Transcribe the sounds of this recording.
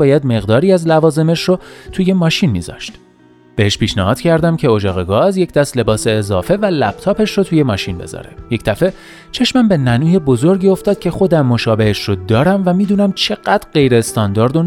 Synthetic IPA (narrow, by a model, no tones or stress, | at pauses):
bɒːjæd̪me̞ɣd̪ɒːɾiːæzlævɒːze̞me̞ʃrot̪ʰuje̞mɒːʃinmḭːzɒ̰ʃt̪ | b̥e̞heʃpiːʃnæhɒːd̪cʰæɾd̪æmcʰe̞od͡ʒɒːɣeɡɒzje̞cʰd̪̥æst̪le̞bɒːse̞ːzɒːfe̞vælæb̥̚t̪ʰɒːpe̞ʃrot̪ʰuje̞mɒːʃinbe̞̰zɒ̰ɾḛje̞cd̪æfe̞ | t͡ʃʰe̞ʃmæmbe̞nænuːje̞bo̞zo̞ɾɟiːo̞ft̪ɒːd̪̥̚cʰe̞xo̞d̪æmːo̞ʃɒːbe̞heʃrod̪ɒːɾæmvæmiːd̪uːnæmt͡ʃʰe̞ɢ̥æd̪̥ɾɢe̞jɾeːst̪ɒːnd̪ɒːɾd̪o